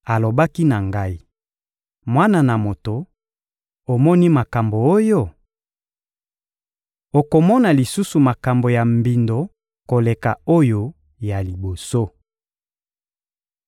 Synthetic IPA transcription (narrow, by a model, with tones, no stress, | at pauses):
a˨lo˨ba˦ki˦na˨ŋɡa˦i˨ | mwa˦na˨na˨mo˨to˨ | o˨mɔ˦ni˦ma˨ka˨mbo˨o˦jo˦˨ | o˨ko˨mɔ˦na˨li˨su˦su˨ma˨ka˨mbo˨ja˨mbi˨ndo˨ | ko˨le˨ka˨o˦jo˦ | ja˨li˨bo˨so˦